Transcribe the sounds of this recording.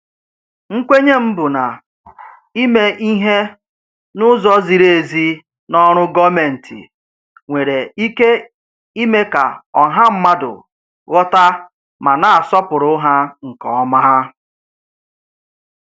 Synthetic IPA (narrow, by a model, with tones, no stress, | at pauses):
ŋ̩˦kʷe˦ɲe˦m̩˦bʊ˨na˨ | i˦me˨ʔi˦ɦe˦ | nʊ˦zɔ˦zi˨ɾe˦˨e˨zi˦ | nɔ˦ɾ̃ʊ˦ɡɔ˦me˨n̩˨tḭ˨ | ŋʷe˨ɾe˨i˦ke˦ | i˦me˦ka̰˨ɔ˨ɦa˦m̩˦ma˦dʊ̰˨ | ɣɔ˦ta˦ | ma˨na˨a˨sɔ˦pʊ˨ɾʊ˦ɦa˦ŋ̩˨kɔ̰˨ɔ˦ma˦ɦa˦